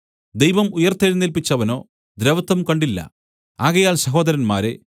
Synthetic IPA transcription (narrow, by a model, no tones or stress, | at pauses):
d̪ejʋɐmujɐrt̪eːɾnilpit͡ɕːɐʋɐno̞ː | d̪ɾeʋɐt̪ːɐmkɐɳɖilːɐ̰ | aːɣɐjaːlsɐɦo̞ːd̪ɐɾɐnma̰ːɾe̞